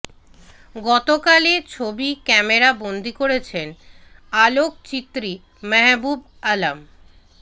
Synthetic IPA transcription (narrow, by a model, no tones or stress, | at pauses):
ɡɔt̪okalet͡ɕʰobikɛmeɾabond̪ʱikoɾet͡ɕʰenalok̚t͡ɕit̪ːɾi | mɛɦbub | alam